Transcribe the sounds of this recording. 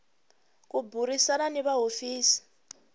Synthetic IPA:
kubʱuɾisananɛβaɦofiːsi̥

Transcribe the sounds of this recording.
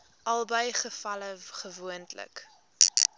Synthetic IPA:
ʔɐlˠbəjχəfɐləχəvuəntlə̰k

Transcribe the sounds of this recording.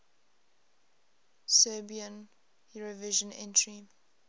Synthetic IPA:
sɜːbiə̃n | juɹovɪʒə̃nɛ̰̃ntʰɹi

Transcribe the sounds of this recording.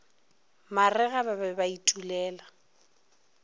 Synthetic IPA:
marɛɣababɛbaitʼulɛːla

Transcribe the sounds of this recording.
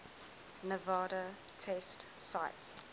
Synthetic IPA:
nəvɑːɾətʰɛstsaɪt

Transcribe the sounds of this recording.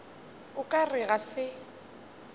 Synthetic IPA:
ʊkʼarɪɣasɪ

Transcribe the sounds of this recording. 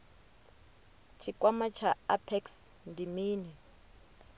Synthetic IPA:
t͡ʃʰikʼwamat͡ʃʰaapʰɛks | ndʱimiːnɛ

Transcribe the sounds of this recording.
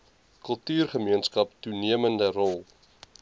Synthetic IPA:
kəlˠtyːrχəmiənskɐptuniəməndərɔlˠ

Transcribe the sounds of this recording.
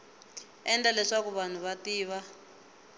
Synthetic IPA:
ɛndalɛʂakuβan̤uβatiːβa

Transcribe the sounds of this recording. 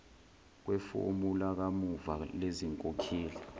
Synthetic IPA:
k̬wɛfo̰mulak̬amuvaleziŋkʼokʰiːli

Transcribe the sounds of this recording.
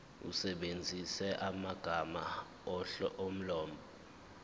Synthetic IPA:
ṵsɛɓend͡zʱisɛʔamaɡ̥ʱama | om̩lɔːmbʱɔ

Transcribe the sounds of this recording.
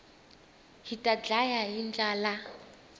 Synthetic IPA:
ɦitʼad͡ɮajaɦind͡ɮaːla

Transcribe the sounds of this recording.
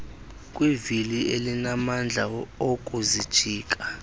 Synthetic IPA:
kʼwivilielinamand͡ɮʱaokʼuzid̥ʒ̥ʱiːkʼa

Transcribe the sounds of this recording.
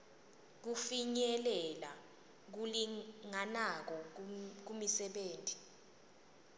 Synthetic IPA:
k̬ufiɲɛlɛla | k̬uliŋanak̬ɔk̬umisɛɓeːntʼi̥

